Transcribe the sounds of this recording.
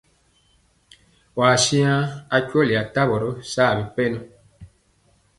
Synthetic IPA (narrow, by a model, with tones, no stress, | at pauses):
waː˨sĩ˦ã˦a˦cu˦o˦li˨a˨ta˦bo˨ɾo˦saː˦˨bĩ˨pe˦nũ˦